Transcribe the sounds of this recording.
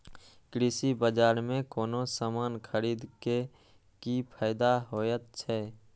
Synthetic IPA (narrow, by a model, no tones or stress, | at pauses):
kɾɪsibəd͡ʒaːɾmẽkoːnosamaːnkʰəɾiːd̪ke | kipʰaːɪd̪aɦoːjət̪̚t͡ʃʰɛ